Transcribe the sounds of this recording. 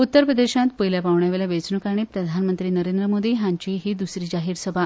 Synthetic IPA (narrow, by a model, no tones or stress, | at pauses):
ut̪ːəɾpɾəd̪eɕãt̪̚pəjljapaʋɳjaʋeljaʋet͡snukaɽ̃iːpɾəd̪ʱanmənt̪ɾiːnəɾend̪ɾəmod̪iːɦãɲt͡ɕiɦiːd̪usɾiːd͡ʑaɦiːɾsəbʱa